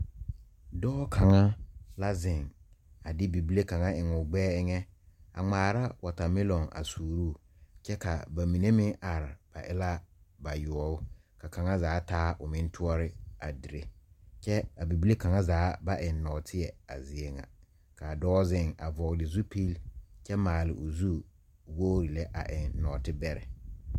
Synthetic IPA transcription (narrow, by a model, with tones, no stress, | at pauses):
dɔː˦kʰa˨ŋa˦la˦zɪ˨ŋa˨dɪ˦bi˨bi˦le˦ka˨ŋa˦ɪ˨ŋʊ˨ɡ͡bɛː˦ɪ˦ŋɛ˦a̰˨ŋ͡maː˨ɾa˦wa˨ta˨mɪ˦lɔ˨ŋa̰˨suː˨ɾuː˦˨t͡ʃɛ˦ka̰˨ba˨mi˨ne˦mɪ˦ŋʔa˨ɾɪ˨b̥a̰˨ʔɪ˦la˦ba˨jʊ˨ɔ˦ʊ˦ | ka˨ka˨ŋa˦zaː˨˦taː˦ʔʊ˨mɪ̃˦n˦tʰʊ˦ɔ˦ɾɪ˦a˨di˨ɾe˨t͡ʃɛ˦a˨bi˨bi˦le˦ka˨ŋa˦zaː˨˦ba˦ʔɪ˨n˦nɔ˨tʰɪ˦ɛ˨a̰˨zɪ˨e˦ŋa̰˨ | ka˨dɔː˦zɪ˦˨ŋa̰˨vɔ˨ɣdɪ˨zu˦pi˦lt͡ʃɛ˦maː˨lɪ̰˨ʔʊ˨zu˦ | woː˦ɾi˨lɛ˦ʔa̰˨ʔɪ˨nːɔ˨tɪ˦bɛ˦ɾɛ̰˨